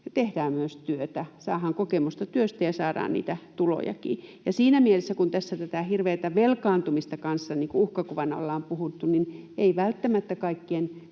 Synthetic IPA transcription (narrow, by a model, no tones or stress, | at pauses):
t̪ehdæːmmyøst̪yøt̪æsɑ̰ːhɑŋkokemust̪ɑt̪yøst̪æjɑsɑːdɑ̰ːnnḭːt̪æt̪ulo̰jɑ̰kḭːjɑsiːnæmielesːækunt̪æsːæt̪æt̪æhirʋeːt̪æʋelkɑːnt̪umist̪ɑkɑnsːɑniːŋkuuhkɑkuʋɑnɑo̰lːɑːmpuhut̪ːunineiʋælt̪ːæmæt̪ːækɑikːien